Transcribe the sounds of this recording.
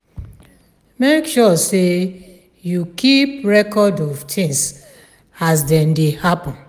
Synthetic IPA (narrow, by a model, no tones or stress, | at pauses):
mekʃɔse | jukʰipɹɛkɔdɔvtʰĩŋs | asdɛ̃ndehapɔ̃n